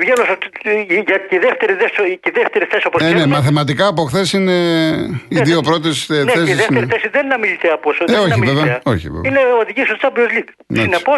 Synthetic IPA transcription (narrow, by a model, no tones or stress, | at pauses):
vʝelosɐtʝɐt̪ceiðeft̪eɾiðesoceðeft̪eɾiθesioposenemɐθemɐt̪̬ikɐːpoxθesine | iðio̞pɾo̞t̪̬isenesisðft̪eɾiθesiðennɐmilit̪eɐposeoçɐmiveveeɐoçḭvḛvineoðiʝisost̪ɐbiozlik | nsinepos